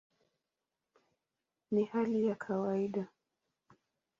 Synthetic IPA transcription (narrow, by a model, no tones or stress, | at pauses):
nihalijakʰawaiɗa